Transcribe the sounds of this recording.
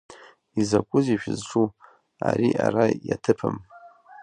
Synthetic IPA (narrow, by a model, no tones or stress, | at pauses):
izakʷʼʊziʃᶣɪzʈ͡ʂʰu | aɾiʔaɾajatʰɨpʰɨm